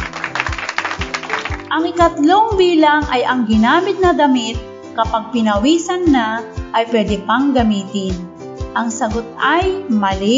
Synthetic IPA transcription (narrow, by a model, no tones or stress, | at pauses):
ʔɐŋɪkɐt̪lo̞ŋbiːlɐŋʔɐjɐŋɡɪnaːmɪt̪̚nɐd̪ɐmɪt̪̚ | kɐpaɡ̚pɪnɐwiːsɐnːaʔːjpwɛːd̪ɪpɐŋɡɐmiːt̪ɪn | ʔɐŋsɐɡot̪̚ajmɐlɪ